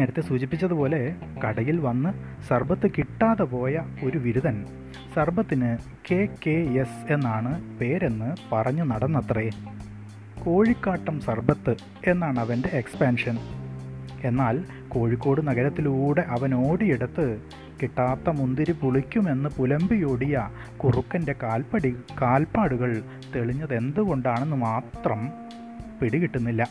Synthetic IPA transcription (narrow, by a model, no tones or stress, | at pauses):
neːɾɐt̪ːesuːt͡ɕipːit͡ɕːɐðupo̞ːle̞kɐɽɐjilʋɐnːɨ | sɐrbɐt̪ːɨkiʈːaːðɐpo̞ːjɐo̞ɾuʋiɾuðɐn | sɐrbʱɐt̪ːinɨ | ke̞ːke̞ese̞nːaːɳɨpe̞ːɾe̞nːɨpɐrɐɲːunɐɽɐnːɐt̪rɐe | ko̞ːɻikːaːʈːɐmsɐrbɐt̪ːɨ | e̞nːaːɳɨɐʋɐnde̞ekspaːnʂɐn | e̞nːaːl | ko̞ːɻikʲːo̞ːɽɨnɐɣɐɾɐt̪ːiluːɽe̞ʔɐʋɐno̞ːɽiiɽɐt̪ːɨ | kiʈːaːt̪ːɐmund̪iɾupuɭikʲːume̞nːɨpulɐmbijoːɽijɐ | kurukːɐnde̞kaːlɐɽikaːlpaːɽuɣɐɭ | t̪e̞ɭiɲːɐðe̞nd̪uɣo̞ɳɖaːɳenːɨmaːt̪rɐm | piɽikiʈːunːilːɐ